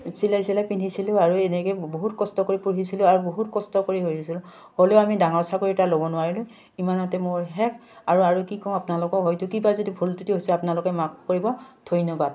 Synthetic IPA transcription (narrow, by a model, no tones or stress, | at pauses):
silajsilapindʱisilʊ̃aɹuɛnɛkɛboɦutkɔstɔkoɹipuɹɦisilʊaɹuboɦutkɔstɔkoɹiɦojisilʊ̃ | holeʊamidaŋɔɹsakoɹitalobɔnʊwaɹilʊ̃ | imanɔtɛmoɹɦɛk | aɹuaɹukikɔ̃apnalɔkɔkɦojtʊkibazodibʱultutiɦojsɛapnalʊkɛmak̚koɹibɔtʰojnɔbat̚